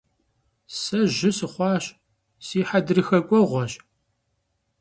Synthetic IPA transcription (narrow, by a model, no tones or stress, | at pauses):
sɐʒɪsɨχʷɑːɕ | siːħadɨrɨxɐkʷʼɔʁʷɔɕʼ